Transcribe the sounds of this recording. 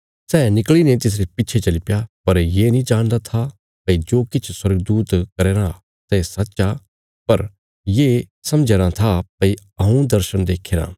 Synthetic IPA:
sɛːnɪklinet̪̬ɪs̬ɾepɪtːt͡ʃʰet͡ʃɐlɪpjapɐɾjeːnĩd͡ʒaːɽ̃d̪at̪ʰa | pɐid͡ʒoːkɪt͡ʃʰswɐɾɡəd̪uːt̪kɐɾeːɾã | sɛsɐtːt͡ʃa | pɐɾ | jeːsɐmd͡ʒeːɾãt̪ʰapɐi | ɐɦũd̪ɐɾʃənd̪eːkʰeːɾã̰ː

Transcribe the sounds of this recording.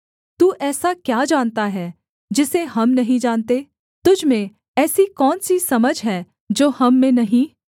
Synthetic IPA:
t̪uːʔɛːsakjaːd͡ʒaːnt̪aɦɛː | d͡ʒɪseɦɐmnɐɦĩd͡ʒaːnt̪e | t̪ʊd͡ʒmẽ | ɛːsikɔːnsisɐməd͡ʒɦɛː | d͡ʒoːhɐmːẽnɐɦĩ

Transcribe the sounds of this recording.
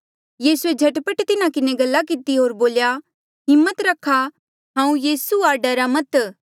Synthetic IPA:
jiːsued͡ʒʱɐʈpəʈt̪ɪnakɪneɡɐlːak̬ɪt̪iɦoːɾboːlja | ɦɪmːət̪ɾɐkʰːa | ɦãːũjiːsuaːɖaɾamɐt̪

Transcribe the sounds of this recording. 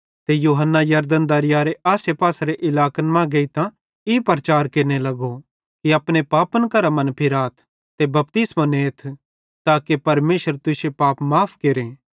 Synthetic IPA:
t̪ejuːɦənːajɐɾd̪ənd̪ɐɾɪjaːɾeʔaːsepaːsɾeʔɪlaːkənmãɡɐit̪ã | ipɾɐt͡ʃaːɾkeːɾnelɐɡo | kiɐpɽ̃epaːpənkɐɾamɐ̃npʰɪɾaːt̪ʰ | t̪ebɐp̚t̪ɪsmãneːt̪ʰ | t̪aːkepɐɾmeːʃəɾt̪ʊsepaːpmaːpʰkeːɾẽː

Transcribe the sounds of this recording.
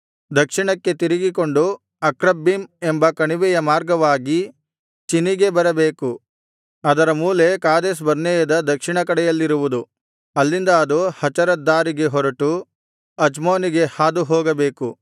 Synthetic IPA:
d̪ɐkʂiɳɐkːe̞t̪iɾiɡiko̞ɳɖu | ɐkɾɐbːime̞mbɐkɐɳiʋɛjɐmaːɾɡɐʋaːɡi | t͡ʃiniɡe̞bɐɾɐbeːku | ɐd̪ɐɾɐmuːle̞kaːd̪eːs̬bɐɾnɛːjɐd̪ɐd̪ɐkʂiɳɐkɐɽɛjɐlːiɾuʋud̪u | ɐlːind̪ɐːd̪uhɐt͡ʃɐɾɐd̪ːaːɾiɡe̞ɦɔɾɐʈu | ɐd͡ʒmoːniɡe̞haːd̪uɦɔːɡɐbe̞ːku

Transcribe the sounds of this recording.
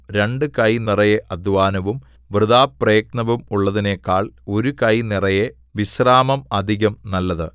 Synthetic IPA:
ɾeɳɖɨkɐjnirɐjeʔɐd̪ʱʋaːnɐʋum | ʋrɨðaːprɐjk̚nɐʋumuɭːɐðinekːaːɭo̞ɾukɐjnirɐje | ʋiɕraːmɐmɐd̪ʱiɣɐmnɐlːɐðɨ

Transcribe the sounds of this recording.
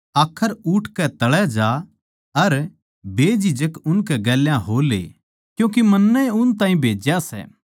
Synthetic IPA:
aːkʰːəɾuʈʰkɛt̪ɐɭɛd͡ʒa | ɐɾ | beːd͡ʒɪd͡ʒəkʊnkɛɡɛːljãɦoːlḛ | kjũːk̬emɐnːəʊnt̪ãːɦĩbʱeːd͡ʒjasɛ̰

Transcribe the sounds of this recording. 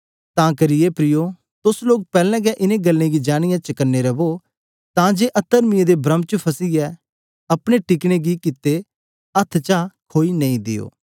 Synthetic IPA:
t̪ãːkɐɾɪjepɾɪjo | t̪ʊsloːk̚pɛːlɛ̃ːɡɛʔɪnẽɡɐlːẽɡid͡ʒaːɽ̃ɪjãt͡ʃɐkənːeɾɐbo | t̪ãd͡ʒeːʔɐt̪ːəɾmɪẽd̪ebɾə̃mt͡ʃəpʰɐsiɛ | ɐpɽ̃eʈɪkɽ̃eɡikɪt̪ːe | ɐt̪ʰt͡ʃãkʰoːinɐ̃ĩd̪ɪ̰jo̰ː

